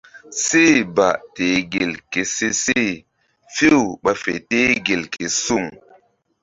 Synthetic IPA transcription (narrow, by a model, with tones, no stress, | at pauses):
si˦˨ba˨ʔte˨ɡi˨lke˨si˦si˦˨ | fi˦wɓa˧fḛ˨te˦ɡe˨lki˨su˦˨ŋ